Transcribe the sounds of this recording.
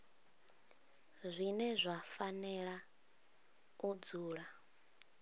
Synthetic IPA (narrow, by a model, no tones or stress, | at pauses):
zʷinɛzʷafanɛɺa | ud͡zuːɺa